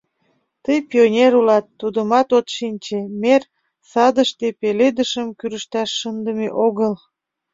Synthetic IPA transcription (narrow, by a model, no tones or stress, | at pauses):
t̪əjpionʲeɾulɑt̪ːud̪əmɑt̪ot̪ʃinʲt͡ɕemer | sɑd̪əʃt̪epeled̪əʃəmkyɾəʃt̪ɑʃːənd̪əmeʔoɣəl